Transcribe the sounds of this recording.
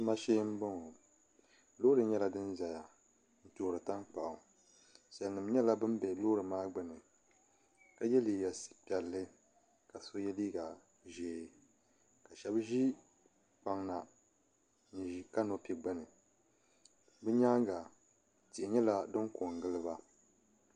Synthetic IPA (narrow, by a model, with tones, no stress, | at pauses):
ma˦ʃeː˦m̩˦bɨ˦ŋo˨ | loː˦ɾɨ˨ɲɛ˦la˦dɨ˦n˦za˨ja˨ | n̩˦toː˨ɾɨ˨ta˦ŋk͡pa˨ʔʊ˨ | sɛ˨lnɨ˨mɲɛ˦la˦bɨ˦mbɛ˨lo˦ɾɨ˨maː˦ɡ͡bɨ˦nɨ˨ | ka˨jɛ˦li˨jɛ˨si̥˨pɛ˨lːɨ˦ | ka˨so˦jɛ˦liː˦ɡa˨ | ʒeː˨ | ka˨ʃɛ˦bʒi˦ | k͡pa˨˦ŋna˨ | n˨ʒi˦ka˦no˦pi˨ɡ͡bɨ˦nɨ˨ | bɨ˦ɲaː˦ŋ˦ɡa˨ | ti˨ʔɪ˨ɲɛ˦la˦dɨ˦ŋko˨ŋ˨ɡɨ˦lɨ˦ba˦